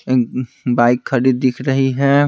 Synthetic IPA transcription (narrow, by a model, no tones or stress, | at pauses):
baːɪkʰːɐɾiːd̪ːɪkʰɾɐɦiɦɛː